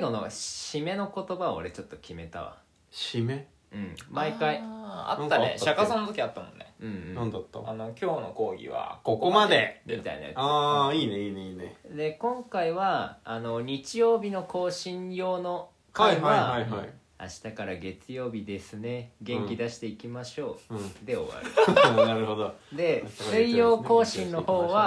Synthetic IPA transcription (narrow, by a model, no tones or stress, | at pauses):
ɡo̞noɕime̞no̞ko̞t̪o̞baoɾe̞t͡ɕo̞t̪ːo̞kʲime̞t̪a̰βa̰ | ɕime | ɯ̟̃ɴmaikaia̰t̪ːaḛɕakasõnot̪okʲiat̪ːamõ̰nnḛɯ̟̃ɴ̃nãnd̪at̪ːa̰ano̞kʲo̞ːno̞ko̞ːɡʲḭβa̰kokomad̪e̞mit̪a̰ḭna̰ja̰aːiːneiːneiːned̪e̞kõ̞ŋkaiβaːno̞ɲ̟it͡ɕijo̞ːbʲino̞ko̞ːɕĩɰjo̞ːno̞ | kajaaihai | a̰ɕi̥t̪akaɾaɡe̞t͡sɨjo̞ːbʲid̪e̞sɨne̞ɡẽ̞ŋkʲid̪aɕi̥t̪e̞ikʲimaɕo̞ːd̪e̞o̞̰βa̰ɾnaɾɯhod̪od̪e̞sɨijjo̞ːko̞ːɕĩnːo̞ho̞ːβa